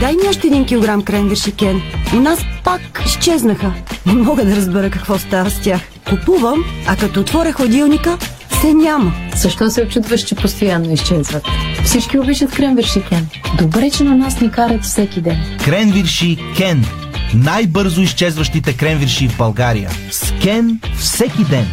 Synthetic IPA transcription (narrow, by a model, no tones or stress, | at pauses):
d̪ajmɔʃt̪ɛɛd̪inkʲilˠoɡɾamkɾɛnviɾʃikɛnonaspakist͡ʃɛznəxənɛmɔɡəd̪ɐɾɐzbɛɾəkɐkvɔst̪avəst̪ʲax | kʊpuvəmɐkɐt̪ɔːt̪vɔɾʲəxvɐd̪ilˠnʲikə | fsɛnʲaməz̥əʃt̪ɔsɛot͡ʃut̪vɐʃt͡ʃɛpost̪ojanːoist͡ʃɛzvɐt̪fsit͡ʃkʲiobiʃɐt̪kɾɛnviɾʃikʲɛnd̪obɾɛt͡ʃɛnɐnasnɛkaɾət̪fsɛkʲid̪ɛnkɾɛnviɾʃikʲɛnː | ajbɤɾzʊist͡ʃɛzvɐʃt̪it̪ɛkɾɛnvʲiɾʃivbɐlˠɡaɾḭjə̰ | skɛnfsɛkʲid̪ɛn